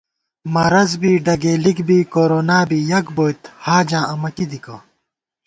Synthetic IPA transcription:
mɐɾɐzbiːɖɐɡeːlikbiːkoːɾoːnaːbiːjɐkboːit̪haːd͡ʑãːʔɐmɐkid̪ikɐː

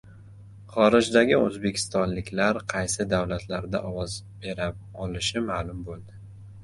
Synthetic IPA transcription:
χɒɾɪd͡ʒd̪aɡʲɪɵ̰zbe̞kʲʰɪ̥st̪ɒnlɪkʲʰlaɾqʰɑjsɪd̪awlat̪ʰlaɾd̪a̰ʔɒwɒzbe̞ɾaɒlɪʃɪmalʊmbolˠd̪ɪ

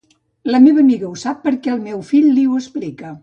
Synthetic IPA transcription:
ləmeβəːmiɣəusapːəɾkɛəlˠmɛwfiʎliuwəsplikə

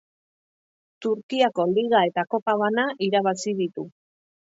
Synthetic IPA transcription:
t̪uɾkiako̞liɣae̞t̪ako̞paβ̞anaʔiɾaβasið̞it̪u

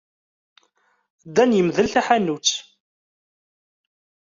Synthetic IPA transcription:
d̪ænjəmðəlθæħanːut͡sː

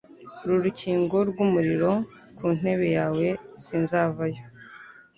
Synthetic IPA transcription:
ɾuɾuciːŋɡo̞ɾɡumuɾiɾo̞kuːn̥e̞βe̞jaːwe̞sinzaːvajo̞

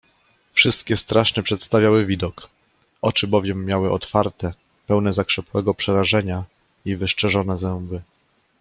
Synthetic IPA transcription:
fʂɘst̪kʲɛst̪ɾaʂnɛpʂɛt̪st̪avʲjawɘvʲid̪ɔk | ɔt͡ʂɘbɔvʲjɛmːjawɘʔɔt̪faɾt̪ɛ | pɛwnɛzakʂɛpwɛɡɔpʂɛɾaʐɛɲa | ivɘʂt͡ʂɛʐɔnɛzɛmbɘ

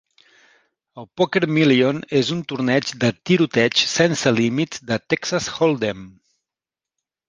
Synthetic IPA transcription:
əlˠpokeɾmilionezunt̪uɾnɛt͡ʃd̪ət̪iɾut̪ɛt͡ʃsɛnsəlimit̪d̪ət̪ɛksasxolˠd̪em

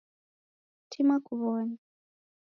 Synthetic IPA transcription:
tʰimakuβɔːna

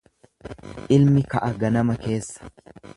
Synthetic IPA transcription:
ʔɪlmɪkɐʔɐɡɐnɐmɐke̞ːsːɐ̥

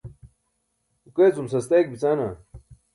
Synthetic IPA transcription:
ukeːt͡sumsɐst̪ejk̚bit͡saːna

